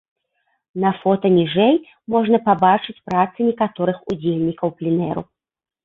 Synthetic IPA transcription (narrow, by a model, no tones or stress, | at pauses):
nɐfɔt̪ɐnʲiʐɛj | mɔʐnɐpabat͡ʂɨt͡sʲpɾat̪sɨnʲɛkat̪ɔɾɨxud͡zʲelʲnʲikɐwplʲinɛɾṵ